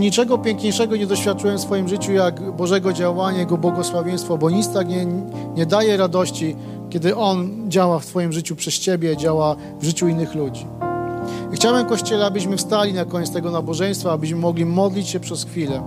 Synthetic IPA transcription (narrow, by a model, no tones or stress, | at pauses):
ɲit͡ʂɛɡɔpʲjɛŋkɲejʂɛɡɔɲɛd̪ɔɕfʲjat̪̚t͡ʂɨwɛmfsfɔjimʐɘt͡ɕujaɡbɔʐɛɡɔd͡ʑawaɲajaɡɔbwɔɡɔswavʲjɛj̃st̪fɔbɔɲit̪st̪akɲɛ | ɲɛd̪ajɛɾad̪ɔɕt͡ɕi | kʲɛd̪ɘʔɔnd͡ʑawaft̪fɔjimʐɘt͡ɕupʂɛst͡ɕebʲjɛd͡ʑawa | vʐɘt͡ɕuinːɘxlud͡ʑi | xt͡ɕawɛmkɔɕt͡ɕɛlɛabɘɕmɘfst̪alʲinakɔɲɛtst̪ɛɡɔnabɔʐɛj̃st̪faːbɘɕ̬mɘmɔɡlʲimɔd̪lʲit͡ɕɕɛpʂɛsxfʲilɛ